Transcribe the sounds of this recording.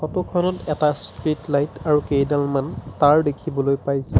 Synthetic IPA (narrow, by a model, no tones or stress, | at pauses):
xɔtɔkʰɔnɔtɛtastɹitlajtaɹukejdalmantaɹdekʰibɔlojpajsɛ